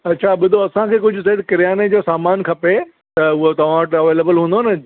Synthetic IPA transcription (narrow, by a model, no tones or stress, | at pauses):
ɐtːɕʰaɓʊd̪ʱoɐsãkʰeːkʊd͡ʑʱʊsɐɦiɽɪkɪɾijaːned͡ʑoːsaːmaːnkʰɐpe | t̪ɐʊɦot̪ɐʋ̤ãʋɐʈɐʋeːleːbəlɦũːnd̪onɐ